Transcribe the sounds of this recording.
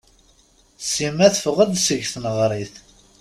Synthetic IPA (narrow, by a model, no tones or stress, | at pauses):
simæθfʊʁæd̪səʝθənəʁɾˤiθ